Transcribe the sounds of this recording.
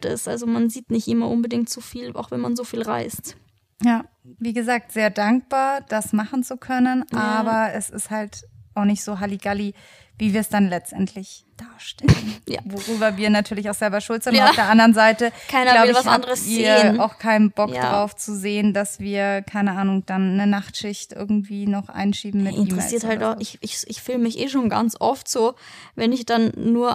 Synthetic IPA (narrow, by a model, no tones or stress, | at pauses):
tɪ̰sʔa̰lzomanziːtnɪçtʔɪmɐʔʊnbədɪŋk̚tt͡sufiːla̰ʊxvɛnma̰nzoːfiːlʁa̰ɪst | jaːviːɡəzaːk̚tz̥eːɐdaŋk̚b̥aːɐd̥asmaχn̩t͡sukʰœnənʔaːbɐɛsɪ̰sthaltʔaʊxnɪçtz̥oːɦaliɡ̥ali | viːviːɐsd̥anlɛt͡stʔɛntʰlɪçd̥aːɐʃtɛlənja̰voʁyːbɐviːɐnatʰyːɐlɪçaʊxz̥ɛlbɐʃʊltz̥ɪntafdeːɐʔandəʁənzaɪtəkʰaɪnɐlaʊɪlvasʔandəʁəsizːeɐːənaʊxkʰaɪnənbɔk̚d̰̥ʁaʊft͡suzeːəndasv̥iːɐkʰaɪnəaːnʊŋd̥anːənaχtʃɪçtʔɪ̰ɐɡŋ̩tv̥iːnɔχʔa̰ɪnʃiːbm̩mɪɪntiːʁmɛ̰iːɐthalɪçɪçɪçfyːlmɪçʔeːʃoːnɡa̰nt͡sʔɔftz̥oːvɛnɪçd̥anːuːɐ